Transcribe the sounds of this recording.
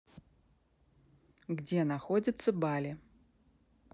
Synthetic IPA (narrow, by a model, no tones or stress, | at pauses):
ɡd͡zʲɛnaxɔd͡zʲɐt̪sːɐbalʲi